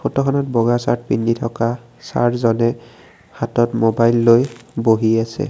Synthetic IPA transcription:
pʰotɔkʰɔnɔt̚bɔɡasa̰ɹt̚pinditʰɔka | sa̰tzɔnɛ | hatɔtmobajlːojboɦiasɛ̰

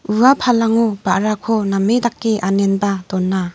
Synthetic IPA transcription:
uapʰalaŋub̥aʔɾakʰɔnamedak̚ːeʔanenbadɔnːa

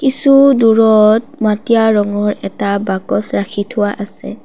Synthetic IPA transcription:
kisuduɹɔt̚matijaɹɔŋɔɹɛtabakɔsɹakʰitʰʊwaʔasɛ̰

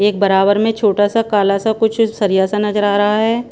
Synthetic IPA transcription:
eːk̚bɐɾaːbəɾmẽt͡ʃʰoːʈasakaːlasakʊt͡ʃʰsɐɾijasanɐd͡ʒəɾaːɾɐɦaɦɛː

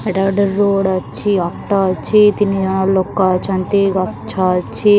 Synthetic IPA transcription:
meʈaːɖɐɾːoːɽɐt͡ʃːiaːk̚ʈat͡ʃːit̪inid͡ʒɐnalɔkːɐt͡ʃɐnt̪eɡɐt͡ʃʰːat͡ʃːi

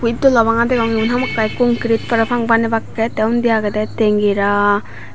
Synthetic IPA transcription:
pujt̚dɔlabaŋadeɡawniunɦamakːajkuŋkɾit̚pɐɾapʰaŋbanebakːetewndijaɡɐdeteŋɡiɾa

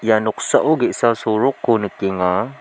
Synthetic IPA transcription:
janʊksaʔuɡiʔsasuɾʊkːunəkiŋa

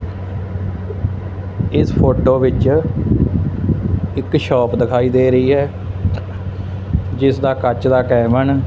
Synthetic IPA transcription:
ɪspʰoːʈoːʋɪt͡ʃ | ɪkʃɔːpd̪ɪkʰaːiːd̪eːɾəiːɦɛː | d͡ʒɪsd̪aːkət͡ʃd̪aːkɛːmən

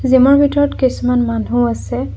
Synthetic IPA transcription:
zimɔɹbʱitɔɹɔtkisumanmanɦuasɛ

